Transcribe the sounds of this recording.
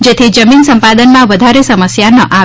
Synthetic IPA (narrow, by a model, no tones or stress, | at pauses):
d͡ʒet̪ʰid͡ʒəminsəmpad̪ənmãʋəd̪ʱaɾesəməsjanəʔa